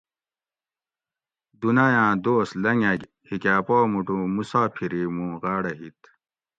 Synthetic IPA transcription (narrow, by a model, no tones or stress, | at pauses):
d̪unaːjãːd̪oːslɐŋɐɡ | hikaːpoːmuʈũːmusaːpʰiɾimũːʁaːɽɐɦit̪